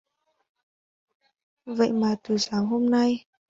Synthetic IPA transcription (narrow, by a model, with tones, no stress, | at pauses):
və̰˧˨jmaː˨˩t̪ɨ˨˩saː˨˦ŋɦo˧mna˧j